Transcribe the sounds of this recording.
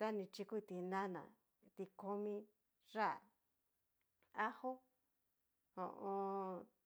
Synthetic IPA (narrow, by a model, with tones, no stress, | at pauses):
t̪a˦nĩ˧t͡ʃi˧ku˦˧t̪i˧nã˦nã̰˨ | t̪i˧ko˧mĩ˧ | ʐa˦˨ | a˦ho˦ | õ̰˧˨ʔõ˧